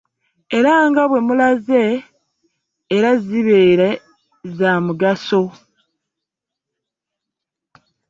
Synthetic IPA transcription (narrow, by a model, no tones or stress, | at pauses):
e̞ɾaŋɡaβwe̞mulaze̞ | ɾaziβeːɾe | zaːmuɡaso̞